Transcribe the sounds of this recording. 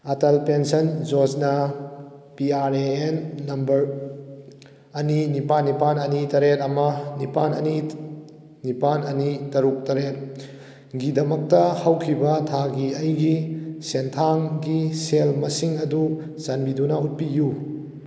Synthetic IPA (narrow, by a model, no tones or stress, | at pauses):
ɐtɐlpensɐnd͡ʒoznɐ | piaɾeenːɐmbɐɾ | ɐninipanːipanɐnitɐɾet̚ɐmɐnipanɐni | nipanɐnitɐɾuk̚tɐɾet̚ | ɡidɐmɐk̚tɐhɐwkʰibɐtʰaɡiɐjɡisentʰaŋɡiselmɐsiŋɐdu | sɐnbidunɐut̚piju